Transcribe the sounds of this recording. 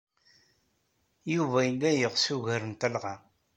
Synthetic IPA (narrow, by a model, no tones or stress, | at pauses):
juvæəlːæjəʁsuʝəɾənt̪ælʁa